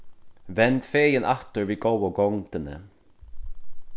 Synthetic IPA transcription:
vɛnt̪feːjɪnʔaft̪ʏɹviɡowaɡɔŋt̪ɪnə̰

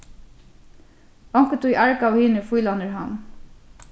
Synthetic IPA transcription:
ɔŋkət̪uiʔaɹkawhiːnəfuːlanəɹɦan

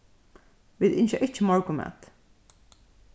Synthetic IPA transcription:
ʋiðɪnʃaʔɪt͡ʃːɪmɔɹkʊmɛ̰t̪

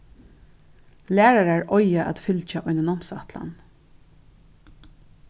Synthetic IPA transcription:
læːɾaɹaɹɔjaʔa̰t̪fɪlt͡ʃaʔɔjnanɔmsat̪la̰n

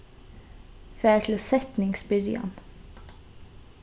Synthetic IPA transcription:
fæːʈʰl̩sɛt̪nɪŋsbʏɾɪ̰ɑ̰n

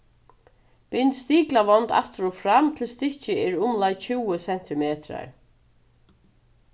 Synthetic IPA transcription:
pɪnt̪st̪iːklaʋɔnt̪a̰ht̪ɪɾɔfɾamt̪ʰɪlst̪ɪht͡ʃɪɛɹʊmlajt͡ɕʰuwəsɛn̥t̪ɪmeːt̪ɾa̰ɹ

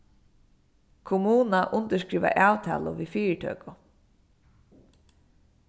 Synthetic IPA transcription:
kʰʊmuːnaʔʊnt̪əʂʃkɾiːʋa̰ʔaːwt̪ʰa̰ːlʊ̰ʋifiːɾətʰœ̰ːkʊ

